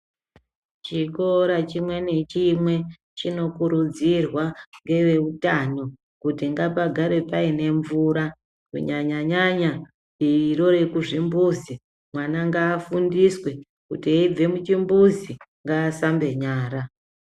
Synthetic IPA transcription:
t͡ʃiko̞ɾat͡ʃimwe̞ne̞t͡ʃimwe̞ | t͡ʃino̞kuɾud͡zirwaŋɡe̞ʋe̞utano̞ | kutiŋɡapaɡʱaɾe̞paine̞ɱvuɾa | kṵɲaɲaɲaɲa | iiɾo̞ɾe̞kuʐimbuzi | mwanaŋɡaːfundiswe̞ | kutieib͡ve̞mut͡ʃimbuziŋɡaːsambe̞ɲaːɾa

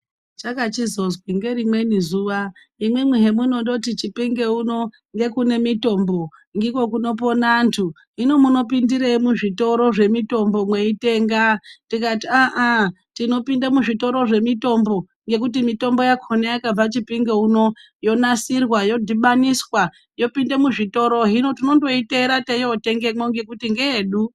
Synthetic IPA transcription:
t͡ʃakat͡ʃizozwiŋɡe̞ɾimwe̞nizuːʋa | imwemweɦe̞muno̞ndo̞t̬it͡ʃipiŋɡeuno̞ | ŋɡe̞kune̞mito̞mbo̞ | ŋɡekwo̞kuno̞po̞nantʰu | ino̞muno̞pindiɾeimuʐito̞ɾo̞ʐe̞mito̞mbo̞mwe̞ite̞ːŋɡatikatiaʔa | tino̞pindamuʐito̞ɾo̞ʐe̞mito̞mbo̞ | ŋɡe̞k̬utimito̞mbo̞jakʰonejakab͡vat͡ʃipiŋɡeuno̞ | jo̞nasirwajo̞dʱiɓaniswa | jo̞pindemuʐito̞ɾo̞ɦino̞tino̞ndo̞ite̞ɾatejote̞ŋɡe̞moŋɡe̞kutiŋɡeeːɗu

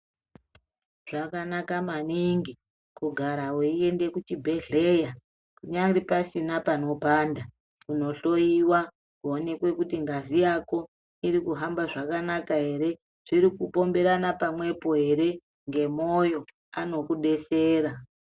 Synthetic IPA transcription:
ʐ̥akanakamaniŋɡi | kuɡʱaɾaweie̞nde̞kut͡ʃibʱe̞ɮe̞ja | kuɲaɾipasinapano̞paːnda | kuno̞ɬo̞jiwa | kuone̞kwe̞kutiŋɡazijako̞ | iɾikuɦambaʐakanakaɦe̞ɾe̞ | ʐ̥iɾikupo̞mbe̞ɾanapamwe̞po̞ɦe̞ɾe̞ | ŋɡe̞mo̞jo̞ | ano̞kuɗe̞se̞ːra

